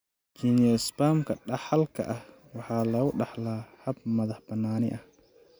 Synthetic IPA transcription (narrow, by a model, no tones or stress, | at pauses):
kʰinɛsbaːmkʰɐɗɑħɐlkʰɐ̰ʔɐh | wɑħɑːlɐɣʊɖɑħlaːhɐb̚mɐðɐħbɐnːaːnɪʔɐh